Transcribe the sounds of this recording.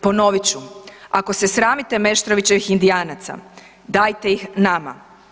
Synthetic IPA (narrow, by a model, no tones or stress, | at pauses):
po̞no̞ʋit͡ɕuako̞sesɾaːmit̪e̞me̞ʃt̪ɾo̞ʋit͡ɕe̞ʋixind̪iaːnat̪sa̰ | d̪aːjt̪e̞ixnama̰